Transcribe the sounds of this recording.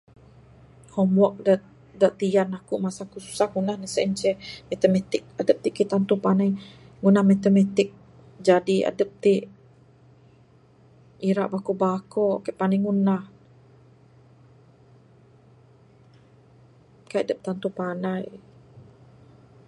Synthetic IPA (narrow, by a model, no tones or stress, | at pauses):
hɔmwɔk̚da | daʔt̪ianakuʔmasakusu̥sahŋunahnəsɛʔɲt͡ʃɛmat̪əmɛt̪ɪk̚adəp̚t̪iʔkit̪ant̪upanaj | ŋunahmat̪əmɛt̪ɪk̚ | d͡ʒadia̰dəp̚t̪iʔ | iɾaʔbakubakɔkɛʔpanaŋunah | kajadəp̚t̪ant̪upanaj